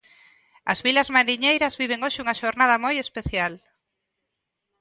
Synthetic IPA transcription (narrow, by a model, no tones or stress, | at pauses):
ɐ̰zβilɐzmaɾiɲejɾɐzβiβ̞eŋoʃɪuŋɐʃoɾnað̞ɐmojespeθjal